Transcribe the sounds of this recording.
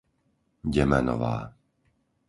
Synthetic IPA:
ɟɛmɛnɔ̰ʋa̰ː

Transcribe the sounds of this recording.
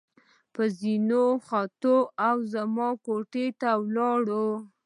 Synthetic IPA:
pəzinoxɑt̪oawzamɑkoʈet̪awlɑɽo

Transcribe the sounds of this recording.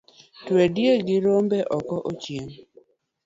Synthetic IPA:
twedjeɡɪɾombɛʔɔkɔʔot͡ʃjeŋ

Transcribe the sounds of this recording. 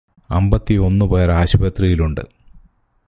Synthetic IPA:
ɐ̰mbɐt̪ːio̞nːɨbɐjɐɾaːɕubɐt̪rijiluɳɖɨ̰

